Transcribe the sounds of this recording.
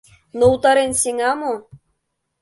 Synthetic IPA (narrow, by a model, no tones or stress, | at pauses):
nout̪ɑɾensʲeŋɑmo